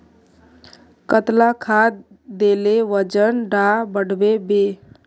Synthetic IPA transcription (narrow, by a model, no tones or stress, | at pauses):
kət̪lakʰad̪ | d̪eleʋəd͡ʒənɖabəɽbebe